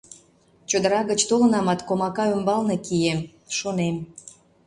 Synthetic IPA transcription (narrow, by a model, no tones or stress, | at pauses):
t͡ɕod̪əɾɑɣət͡ɕt̪olə̆nɑmɑt̪komɑkɑymbɑlnekijem | ʃonem